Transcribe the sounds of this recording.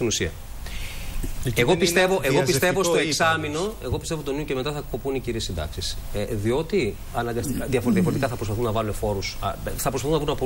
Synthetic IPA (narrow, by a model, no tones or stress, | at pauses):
inusiɐ | eɣo̞pist̪e̞vo̞ʔeɣopist̪e̞vo̞sst̪oekksɐmino̞e̞ɣo̞pist̪evo̞t̪oniuce̞me̞t̪ɐθɐkopuniciɾiesːind̪ɐ̰ksisðio̞t̪i | ɐnɐɡɐsðjɐfoɾeiɐfoɾt̪ikɐθɐpɾospɐθunːɐvɐlune̞fo̞ɾusθɐpɾspɐθunɐvɾunɐpo